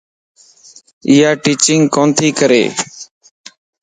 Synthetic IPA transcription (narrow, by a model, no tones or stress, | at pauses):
ɪjaːʈiːt͡ʃɪŋɡkoːnt̪ʰiːkəɾḛː